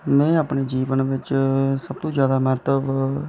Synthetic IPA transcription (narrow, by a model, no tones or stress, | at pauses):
mɛ̃ːaːpɳeːd͡ʒiːʋənʋɪt͡ʃsəb̚t̪õːd͡ʒjaːd̪aːmɛːt̪ləb